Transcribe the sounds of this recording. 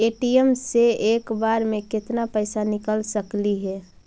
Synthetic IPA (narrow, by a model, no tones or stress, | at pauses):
eːʈijemseeːkbaːɾmẽkɪt̪napəɪsanɪkəlsəkliɦɛ